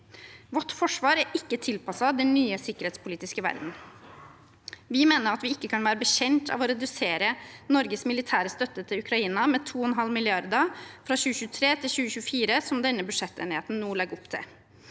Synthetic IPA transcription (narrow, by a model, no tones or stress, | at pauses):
ʋɔʈːfɔʂʋɑːɾæɾʔɪkːət̪ʰɪlpɑsɑd̪ɛnːyːəsɪkːəɾheːt̪spʰʊliːt̪ɪskəʋæ̰ɾd̪n̩ | ʋɪmeːnəɾɑt̪ʋɪɪkːəkʰɑnʋæːɾəbəɕɛnt̪ʰɑ̰ːʋɔɾɛd̪ʉseːɾənɔɾɡəsmɪlɪt̪ʰæːɾəst̪œt̪ːət̪ʰɪlʉkɾɑiːnɑmɛːt̪ʰuːɛnɦɑlmɪlɪɑɾd̪əfɾɑɕʉːəçʉːt̪ʰɾeːt̪ʰɪlçʉːəçʉːəfiːɾəsɔmd̪ɛnːəbʉʂɛt̪ːḛːnɪheːt̪n̩nuːlɛɡːɔpt̪ʰɪ̰l